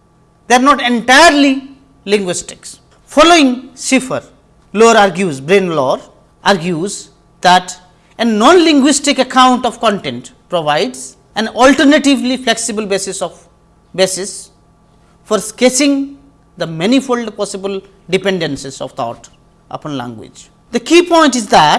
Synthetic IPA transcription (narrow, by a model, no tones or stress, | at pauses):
d̪eɾnɔːʈẽɳʈajəɾli | lɪ̃ŋɡwɪsʈɪ̥ks | fɔloːɪ̃ŋsɪfəɾ | loːɾaɾɡjuːzbɾẽːnlɔːɾ | ʔaɾɡjuz | d̪æʈ | enːɔ̃ːnlɪ̃ŋɡwɪsʈɪkəkʰãʊ̃ɳʈɔʋkɔ̃ɳʈẽɳʈpɾoʋaɪɖz | æ̃nɔlʈəɾnəʈiʋlifleksibəlbesɪsɔʋ | besɪs | fɔɾskesɪ̃ŋ | d̪əmɛnifolɖpɔsɪbəl | ɖipẽɳɖə̃nsɪsɔ̰ʋt̪ʰɔ̰ːʈ | ʔʌ̰pɔ̃nlæ̰̃ŋɡwɪ̰d͡ʒ | d̪əkiːpɔ̃ɪ̃nʈɪzd̪æʈ̚